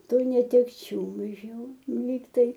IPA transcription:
ˈtuː nʲɛtʲɛkˈt͡ʃʲuː ɪʃ ˈjuː ˈlʲiːktɐɪ

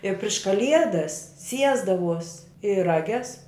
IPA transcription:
ɪ pʲrʲɪʃ kɐˈlʲiɛdɐs ˈsʲiɛzdɐʋuɔs ɪ rɐˈɡʲɛs

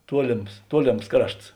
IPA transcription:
ˈtuɔlʲeːms ˈtuɔlʲeːms ˈkrɐʃts

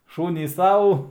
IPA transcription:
ˈʃuːnʲiːs ˈsɐʊ

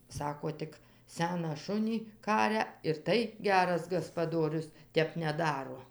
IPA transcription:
ˈsɑːkoː ˈtʲɪk ˈsʲæːnɑː ˈʃʊnʲiː ˈkɑːrʲɛ ɪr ˈtɐɪ ˈɡʲæːrɐs ɡɐspɐˈdoːrʲʊs ˈtʲɛp nʲɛˈdɑːroː

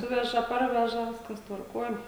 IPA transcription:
ˈsʊʋʲɛʒɐ ˈpɐrʲʋʲɛʒɐ ˈʋʲɪskɐs tʋɐrˈkuɔj

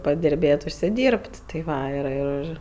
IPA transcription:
pɐdʲɪrʲˈbʲeːtʲ ʊʃʲsʲɪˈdʲiːrʲpʲtʲ tɐɪ ˈʋɐ ɪr ɪr ˈɪr

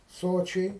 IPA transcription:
ˈsoːt͡ʃʲɛɪ

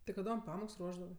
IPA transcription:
tʲɪ kɐˈdoːm ˈpɑːmoːks ˈruɔʒdɐʋɜ

